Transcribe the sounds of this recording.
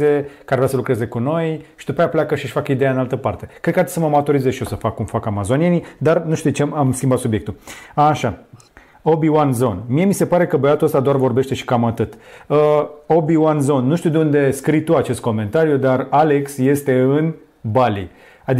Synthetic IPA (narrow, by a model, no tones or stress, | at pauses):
e̞kəarvɾeasəlukɾe̞ze̞kuno̞jʃid̪upajapleakəʃiʃfakəid̪ejaɨnalt̪əpart̪e̞kɾekəart̪i̥səməamat̪oɾizezʃijo̞səfakːumfakamazo̞nie̞nid̪arnuʃt̪ud̪et͡ʃemamskʲimbat̪subje̞k̚t̪uaʃa | o̞biwanzo̞nmie̞mise̞paɾe̞kəbəjat̪uəst̪ad̪oarvo̞rbe̞ʃt̪e̞ʃi̥kamat̪ɨt̪əo̞biwanzo̞nːuʃt̪iud̪eund̪e̞skɾit̪uat͡ʃe̞st̪̚ko̞me̞nt̪aɾjud̪arale̞ksje̞st̪e̞ɨn | bali | ad̪i